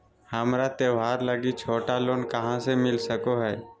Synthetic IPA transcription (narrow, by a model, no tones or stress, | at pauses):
hɐmɾat̪eːʋɦaːɾləɡit͡ʃʰoːʈaloːnkəɦãsemɪlsəkoɦɛː